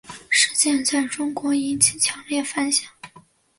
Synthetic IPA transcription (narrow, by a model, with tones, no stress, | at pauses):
ʂɻ̩˥˧t͡ɕjɛ˥˧nt͡sa˥˩ɪʈ͡ʂʊ˥ŋkwɔ˧˥i˧˥nt͡ɕʰi˨˩t͡ɕʰjɑ˧˥ŋljɛ˥˩fa˥nɕjɑ˨˩˦ŋ